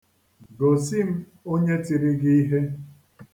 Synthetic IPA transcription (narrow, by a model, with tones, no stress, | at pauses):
ɡo˨si˦m̩˦ | o˦ɲe˦ti˨ɾi˦ɡi˦i˦ɦe˦